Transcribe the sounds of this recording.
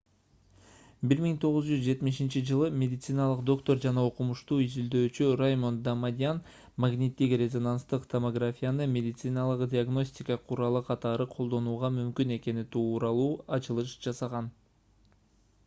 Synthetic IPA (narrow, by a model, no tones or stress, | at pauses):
biɾmiŋt̪ʰo̞ʁɯzd͡ʒyzd͡ʒe̞t̪miʃint͡ʃid͡ʒɯlˠɯmʲe̞dʲɪt̪sɨnɑlˠɯqd̪o̞kt̪o̞rd͡ʒɑnɑoqumuʃt̪uːizild̪ø̞ːt͡ʃyrajmo̞nd̪amad̪ʲɪan | maɡnʲit̪ːikrʲezo̞nanst̪ɯqt̪ʰomoɡrafʲijanɯmʲe̞dʲɪt̪sɨnɑlˠɯqdʲɪaɡno̞sʲtʲɪkəqʰuɾɑlˠɯqʰɑt̪ɑɾɯqʰo̞lˠd̪o̞nuːʁɑmymkyne̞ke̞nit̪ʰuːɾɑlˠuːɑt͡ʃɯlˠɯʃd͡ʒɑsɑʁɑn